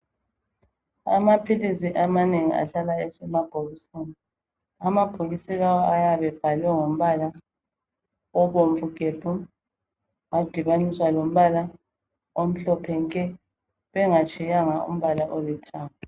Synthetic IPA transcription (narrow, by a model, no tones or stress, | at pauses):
a̰mapʰilisiʔamaneŋia̰ɬalaɛsɛmaɡ̥ʱoɣisina | amab̥ʱoɣisilawɔajaβɛb̥ʱalwɛŋom̩βala | ɔβoɱfuɡ̥ʱeb̥ʱu | ŋad̥ʱiβaniswalom̩βala | om̩ɬɔpʰɛŋkʼɛ | βɛŋat͡ʃʼɛjaŋaṵm̩βalaʔolɛtʰaːma